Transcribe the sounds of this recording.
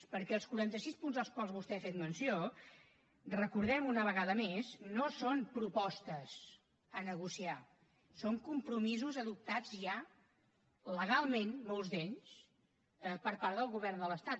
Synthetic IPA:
pəɾkɛlˠskuɾant̪əsispunzðəlˠskwalˠzβust̪ɛfet̪mənsio | rəkuɾðɛmunəβ̞əɣaðəmeznosonpɾupɔst̪əz | ənəɣusia | soŋkumpɾumizuzəðup̚t̪ad͡zʒa | ləɣ̞alˠmenmolˠzðeɲs | əpəɾpaɾðəlˠɣuβ̞ɛrnd̪ələst̪at̪

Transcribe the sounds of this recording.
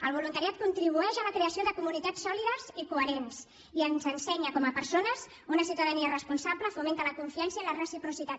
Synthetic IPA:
əlˠβ̞ulunt̪əɾiat̪̚kunt̪ɾiβ̞uɛʃələkɾeəsioðəkumunit̪asːɔliðəzikuəɾens | iənzənsɛɲəkɔməpəɾsonəz | unəsiwt̪əðəniərəspunsabləfumẽnt̪ələkuɱfiɛnsiəilərəsipɾusit̪at̪

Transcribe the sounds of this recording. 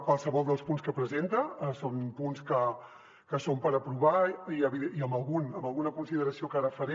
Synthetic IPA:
kwalˠsəβɔlˠd̪əlˠspunskəpɾəzent̪əsompunskə | kəsompəɾəpɾuβaiəβiiəmbəlˠɣunəmbəlˠɣunəkunsiðəɾəsiokaɾəfəɾe

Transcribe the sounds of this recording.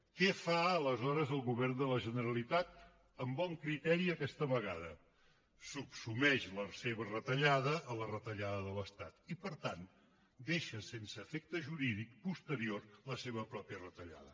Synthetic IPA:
kɛfaələzɔɾəzəlˠɣuβɛrnd̪ələʒənəɾəlit̪at̪̚ | əmbɔŋkɾit̪ɛɾiəkɛst̪əβəɣaðə | supsumɛʃləseβərət̪əʎaðəʔːlərət̪əʎaðəðələst̪at̪ipəɾt̪an | d̪eʃəsensəːfɛk̚t̪əʒuɾiðik̚pust̪əɾiorləseβəpɾɔpjərət̪əʎa̰ðə

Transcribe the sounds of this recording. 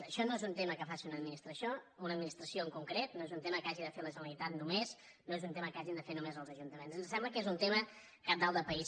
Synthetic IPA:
əʃɔnoezunt̪eməkəfasiunəd̪minist̪ɾəsjounəd̪minist̪ɾəsioəŋkuŋkɾet̪noezunt̪eməkaʒiðəfeləʒələit̪at̪numez | noezunt̪eməkaʒind̪əfenumezəlˠzəʒunt̪əmenzənssɛmbləkezunt̪emə | kap̚d̪alˠd̪əpəis

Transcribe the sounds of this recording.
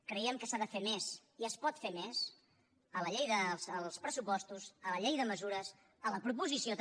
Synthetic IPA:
kɾəiɛmkəsaðəfemeziəspɔt̪femez | ələʎejðəsəlˠspɾəsupɔst̪usələʎejðəməzuɾəs | ələpɾupuzisiot̪

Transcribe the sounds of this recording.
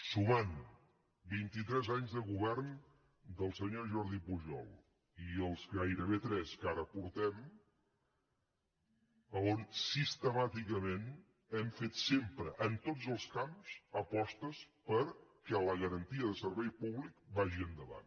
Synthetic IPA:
suman | bint̪it̪ɾɛzaɲzðəɣuβɛɾn | d̪əlˠsəɲoʒɔɾðipuʒɔ̰lˠ | iəlˠzɣajɾəβ̞et̪ɾɛskaɾəpuɾt̪ɛm | əonsist̪əmat̪ikəmen | ɛmfet̪sempɾəʔənt̪od͡zəlˠskamz̥əpɔst̪əspəɾkɛləɣəɾənt̪iəðəsəɾβɛjpuβlikbaʒiənd̪əβa̰n

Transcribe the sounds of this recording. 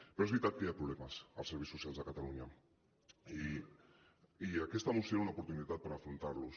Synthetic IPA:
peɾoezβɾit̪at̪̚kajapɾuβlɛməsə̰lˠsəɾβejsːusialˠzðəkat̪aluɲə | i | iakest̪amust̪jeɾaunaupuɾt̪unit̪at̪̚pəɾafɾunt̪aɾlus

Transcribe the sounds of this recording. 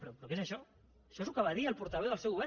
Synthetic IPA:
pɾopɾokesɐʃɔ | ɐʃɔezlukəβaðiəlˠpuɾt̪ɐβɛwðəlˠsɛwuβɛ

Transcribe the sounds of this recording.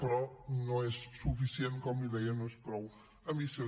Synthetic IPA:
pɾɔnɐ̃w̃ɛssufisiẽnt̪komiðɛjɐnɐ̃w̃ɛspɾɔ | ɐmise

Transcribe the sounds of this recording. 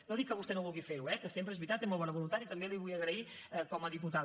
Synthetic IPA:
noðikːəβust̪ɛnoβulˠɣifeɾuɛkəsempɾəezβɾit̪at̪ːemolˠβɔnəβulunt̪at̪it̪əmbeliβujəɣɾəi | əkɔməðip̬ut̪a

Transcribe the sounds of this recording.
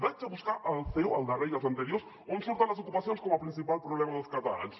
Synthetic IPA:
ðet͡ʃɐβuskaɾalθewald̪arejɣɐsɐ̃nt̪eɾjoɾs | õsult̪aɾɐs̬okupasjõskomɐpɾĩnsipalpɾoβlemɐðʊskat̪aals

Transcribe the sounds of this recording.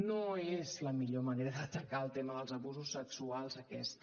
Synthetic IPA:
noezləmiʎoməneɾəðət̪əkaəlˠt̪eməðəlˠzəβuzusːəksualˠzəkɛst̪

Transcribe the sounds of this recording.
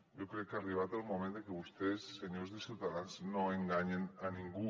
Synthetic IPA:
jokɾekːariβ̞at̪almomẽnd̪ekeβust̪esːeɲozðesiwt̪aðanznoeŋɡaɲenanĩŋɡu

